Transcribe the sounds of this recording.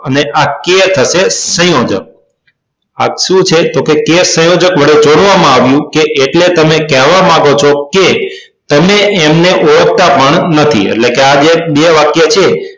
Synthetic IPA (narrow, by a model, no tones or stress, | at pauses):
əneʔaket̪ʰəʃesə̃jod͡ʒə̰k̚ | a̰kʃũt͡ʃʰet̪okekesə̃jod͡ʒəkʋəɽed͡ʒoɽʋamãaʋjũkeʔeʈlet̪əmekɛɦʋamãɡot͡ʃʰoke | t̪əmeemneʔoək̚t̪apəɳnət̪ʰḭḛʈlekead͡ʒeɓeʋakjat͡ʃʰe